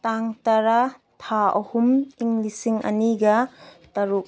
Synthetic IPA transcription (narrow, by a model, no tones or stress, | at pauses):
taŋtɐɾa | tʰaɐ̰humiŋlisiŋɐ̰niɡɐ | tɐɾuk̚